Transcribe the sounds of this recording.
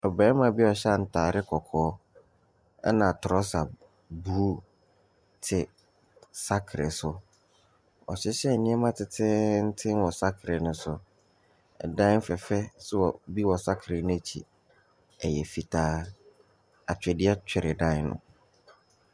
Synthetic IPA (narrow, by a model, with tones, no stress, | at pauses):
ɔ˨bɾɛː˦mã˨bi˦ɔ˨ɕɛ˦˨n̩˨tʰaː˨ɾɪ˦kʰɔ˨kʰɔː˨˦ | ɛ̰˦nã˨tʰʊ˨ɔ˦sa˨ | bu˨˦ | tʰɪ˨ | sa˦kʰɾɛ̰˨sʊ˦ | ɔ̰˨ɕɪ˦ɕɛ˦˨nɪ̃˦ɛ˦mã˦tʰɪ˨tʰɪ˦n̩˦tʰɪ̃˦n˦wɔ˨sa˦kʰɾɪ˨nʊ̃˦sʊ˨ | ɛ̰˨dã˦n˦fɛ˨fɛ˦sʊ˦ɔ˨bi˦wɔ˨sa˦kʰɾɪ˨nʊ̃˦æ˨t͡ɕʰi˨ | ɛ˨jɛ˨fi˨tʰaː˨˦ | a˨t͡ɕᶣɛ˨dɪ˦ɛ˦t͡ɕʰᶣɛ˨ɾɪ˨dã˦ɪ˨˦nʊ̰̃˨